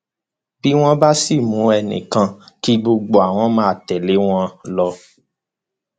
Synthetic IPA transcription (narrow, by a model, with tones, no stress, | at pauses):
b̥i˦w̃ɔ̃˦ba˦si˦˨mũ˨˦ɛ˧nḭ̃˨kã˧ki˦ɡ͡bo˧ɡ͡bo˦a˨w̃ɔ̃˦mãː˦˨tɛ˨le˨˦w̃ɔ̃˦lɔ˧